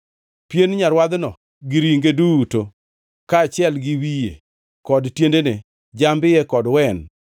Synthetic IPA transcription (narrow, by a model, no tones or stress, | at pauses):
pjenɲaɾwad̪nɔ | ɡɪɾiŋɡeduuto | kaːt͡ʃɪɛlɡɪwijḛ | kɔdtjendene | d͡ʒambɪjɛkɔdwɛn